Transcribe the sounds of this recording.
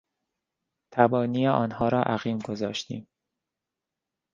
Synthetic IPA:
t̪ʰæbɒːniːeʔɒːnhɒːɾɒːʔæɣiːmɡo̞zɒːʃt̪ḭːm

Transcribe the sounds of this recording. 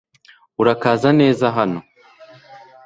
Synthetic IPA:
uɾakaːzane̞ːzaɦano̞

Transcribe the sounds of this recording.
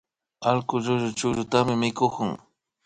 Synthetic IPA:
alkʊʎʊʒʊt͡ʃʊʎʊt̪amɪmɪkʊkʊŋ

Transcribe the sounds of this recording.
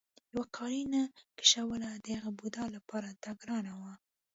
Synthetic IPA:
jawakʰɑɾinakɪ̥ʃawəlad̪əhaɣabud̪ɑlapɑɾat̪aɡɾɑnawa

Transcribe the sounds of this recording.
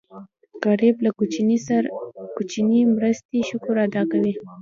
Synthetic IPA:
ɡ̥aɾiblakinisɾkut͡ʃinimɾəst̪eʃʊkʊɾad̪ɑkawi

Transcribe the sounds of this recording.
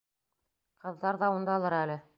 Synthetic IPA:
qɤ̆ðːɑɾðɑund̪ɑɒlˠɤɾælɘ

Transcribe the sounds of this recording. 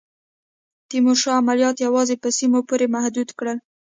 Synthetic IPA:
t̪imoʃɑamalijɑt̪jawɑzepəsimopoɾemahd̪ud̪kɽəl

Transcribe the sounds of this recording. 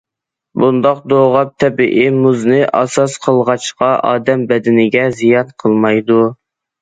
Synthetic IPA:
bund̪ɑq̚d̪oʁɑp̚t̪ʰɛbiʔɪmuznɨʔɑ̰sɑsqʰəlˠʁɑt͡ʃqɑʔɑ̰ːd̪ɛmbɛd̪ɪnɪɡʲɛzijɑnqʰəlˠmɑjd̪u

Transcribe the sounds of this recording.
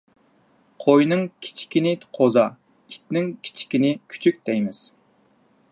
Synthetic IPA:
qʰojnɨŋkʲʰi̥t͡ʃʰi̥kʲinɪqʰozɑ | it̪̚nɪŋkʲʰi̥t͡ʃʰi̥kʲinɪkʲʰy̥t͡ʃʰyk̚ʲt̪ɛjmɪz̥

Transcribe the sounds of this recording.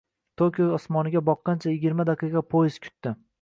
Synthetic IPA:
t̪ʰokʲoɒsmɒnɪɡʲabɒqːɑnt͡ʃʰajɪɡʲɪɾmad̪aqʰɨjqɑpʰojɪz̥kʲʰʊ̥t̪ːɪ

